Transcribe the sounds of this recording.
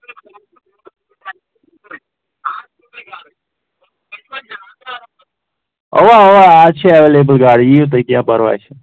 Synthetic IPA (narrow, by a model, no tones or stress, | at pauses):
ɔ̰ʋaɔʋaat͡ʃʰeɛʋelebəlɡaːɽiiũt̪̬əikjãːpəɾʋa̰jt͡ʃʰe